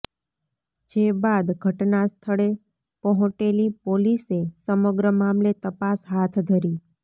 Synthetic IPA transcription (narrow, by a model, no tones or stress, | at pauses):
d͡ʒebad̪ɡʱəʈnast̪ʰəɭe | pəɦũʈelipolisesəməɡɾəmamlet̪əpasɦat̪ʰd̪ʱəɾi